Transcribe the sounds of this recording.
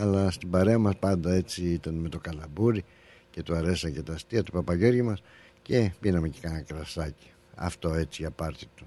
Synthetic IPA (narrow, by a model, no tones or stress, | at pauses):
ɐlɐst̪ibɐɾe̞ɐmɐspɐnd̪ɐe̞t͡siit̪ɐnme̞t̪o̞kɐlɐbuɾi | ce̞t̪uɐɾe̞sɐcet̪ɐst̪iɐt̪u̥pɐpɐʝe̞ɾʝimɐs | ce̞pinɐmecekɐnɐkɾɐsɐci̥ | ɐ̰ft̪o̞e̞t͡siʝɐpɐɾt̪it̪u̥